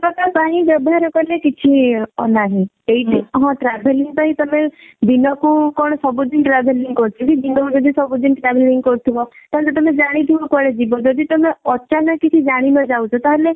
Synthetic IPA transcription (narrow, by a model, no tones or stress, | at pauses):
pɾɔkapãɦĩʋɔbaɾɔkɔɾlekit͡ʃʰiɔnaɦĩ | eiʈiɦɔ̃ʈɾɛbʱeliŋɡ̚p̪aɦĩt̪ɔmẽ | d̪inɔkũkɔɳ̃sɔbud̪inʈɾɛbeliŋɡkɔɾt͡ʃʰukid͡ʒinɔkũd͡ʒɔd̪ʱisɔbud̪inʈɾɛʋeliŋɡkɔɾt̪ʰiʋɔt̪alɔt̪ɔmẽd͡ʒaɽ̃it̪ʰiʋɔkwaɭed͡ʒibɔd͡ʒɔd̪ʱit̪ɔmeɔt͡ʃanakit͡ʃʰid͡ʒaɽ̃imãd͡ʒaut͡ʃʰɔt̪aɦale